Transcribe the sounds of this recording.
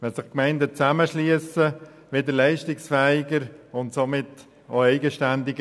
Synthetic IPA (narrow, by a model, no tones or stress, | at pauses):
ʋɛlsɪχkmɛɪndət͡sæməʃliəsə | ʋedəɾlɛɪʃtɪksfɛɪɡəɾʊntsomɪt | oɛɪɡəʃtændɪɡə